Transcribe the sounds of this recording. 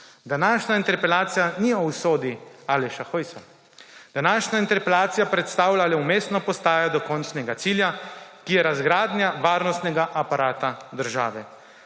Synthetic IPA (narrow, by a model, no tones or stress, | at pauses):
d̪anaːʃnaint̪ɛɾpɛlaːt̪sijaniɔwsoːd̪ialɛʃaxojsa | d̪̥anaːʃnʲaint̪ɛɾpɛlaːt̪sijapɾɛt̪st̪aːwlalɛumeːst̪nɔpɔst̪aːjad̪ɔkɔnt͡ʃnɛɡat̪siːljakijɛɾazɡɾaːd̪njaʋaːɾnɔst̪nɛɡaʔapaɾaːt̪ad̪əɾʒa̰ːʋɛ